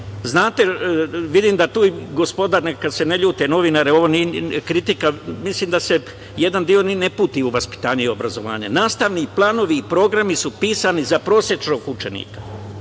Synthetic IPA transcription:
znaːt̪e̞ʋid̪imd̪at̪uːiɡo̞spo̞d̪aɾneakad̪se̞neʎuːt̪eno̞ʋinaːɾeo̞ʋo̞nikɾit̪ikamisliːmd̪ase̞ | je̞d̪and̪io̞ninepuːt̪iuʋaspi̥t̪aːɲuio̞bɾazo̞ʋa̰ːɲa̰naːst̪aʋniːplˠaːno̞ʋiːpɾo̞ɡɾamisupiːsanizapɾo̞ːsje̞t͡ʃnoːɡut͡ʃenḭːkḁ

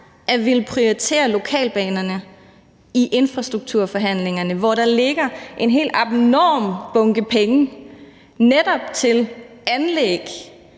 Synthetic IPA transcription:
ʔæʋe̝lpʰʁiɒit͡sʰe̝̰ːɐlo̝kʰɛ̰ːlb̥ɛ̰ːnɐnə | iʔe̝nfʁɑ̈sd̥ʁuɡ̥̚t͡sʰuɐ̰fɒ̽ɦæn̰le̝ŋɐnəʋɒɾ̥ɑ̈le̝ɡ̥ɐʔe̝nɦe̝̰ːld̥ɑb̥nɒ̰ːmb̥ɔ̽ŋɡ̥əpʰeŋə | ned̥ɒ̽b̥t͡sʰe̝l | ænleɡ̥

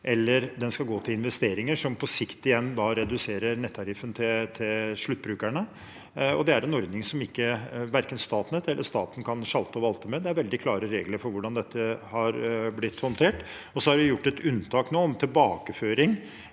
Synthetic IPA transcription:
ʔɛlːəɾd̪ɛnskɑlɡoːt̪ʰɪlɪnʋɛst̪eːɾɪŋəʂɔmpʰɔsɪkt̪ɪjɛnːd̪ɑɾɛd̪ʉseːɾəɾnɛt̪ʰːɑɾɪfənt̪ʰɪt̪ʰɪlʂɭʉt̪̚ːbɾʉːkæɳə | ɔ̰d̪ɛæɾɛnɔɾd̪nɪŋsɔmɪkːəʋæɾkənst̪ɑːt̪nɛt̪ɛlːəʂt̪ɑ̰ːt̪n̩kʰɑnʂɑlt̪əɔʋɑlt̪əmɛd̪ɛæɾʋɛld̪ɪkʰlɑːɾəɾeːɡləɾfɔɾʋʊɖɑnd̪ɛt̪ʰːəhɑɾblɪt̪ːhɔnt̪ʰeːʈ | ɔsɔhɑɖɪjʊʈːɛt̪ʉnt̪ʰɑːknoːɔmt̪ʰɪlbɑːkəføːɾɪŋ

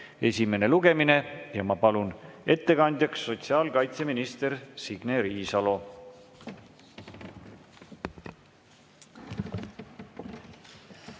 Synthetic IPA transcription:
e̞sʲime̞ne̞luɡ̥e̞mine̞jɑmɑpɑlune̞t̪ːe̞kɑnd̪̥jɑksːo̞t̪siɑːlkɑjt̪se̞minist̪e̞ɾsiɡ̥neɾiːsɑlo̞

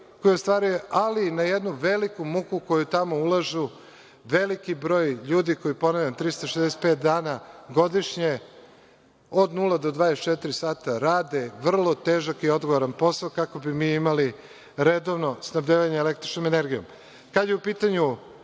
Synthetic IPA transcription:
ko̞jeost̪ʋaːɾujeʔalinajed̪nuʋelikumukuko̞jut̪amo̞ulaʒu | ʋelikibɾo̞ːjʎuːd̪iko̞jipo̞navʎʲant̪ɾist̪oʃezd̪ese̥t̪̚pe̞ːt̪̚d̪aːnaɡo̞d̪iʃɲe̞ | od̪nuːlad̪o̞d̪ʋaːd̪est͡ʃet̪iɾisaːt̪aɾaːd̪eʋr̩lˠo̞t̪eːʒakio̞d̪ɡo̞ʋoɾanpo̞saokako̞bimiːimali | ɾed̪oʋno̞snabʎeʋaɲeelekt̪ɾit͡ʃnomeneɾɡijom | kad̪jeupiːt̪aɲu

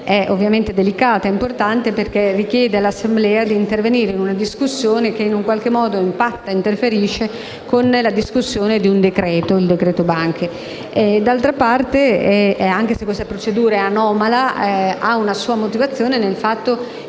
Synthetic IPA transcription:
ɛʔovːjament̪ed̪elikaːt̪aɛimport̪ant̪eperk̟erikjɛːd̪ealasːemblɛːad̪iːnt̪erveniːɾeinunad̪iskusːjoːnek̟einuŋkwalkemːɔːd̪oimpat̪ːaint̪erfeɾiːʃe | konlad̪iskusːjoːned̪iund̪ekɾɛːt̪oild̪ekɾɛːt̪obaŋk̟ʰe | ɛd̪alt̪ɾapart̪eaŋk̟esekːwest̪apɾot͡ʃed̪uːɾaɛanɔːmalaaunasuːamot̪ivat̪sːjoːnenelfat̪ːo

